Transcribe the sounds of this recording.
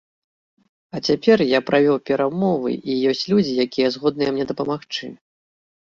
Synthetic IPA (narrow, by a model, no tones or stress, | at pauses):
ɐt͡sʲapʲɛrjapɾavʲɔwpʲɛɾamɔvɨ̰ʔijɔsʲt͡sʲlʲud͡zʲijakʲijɛzɣɔd̪̚nɨjɛmnʲɛd̪ɐpɐmaxt͡ʂɨ̰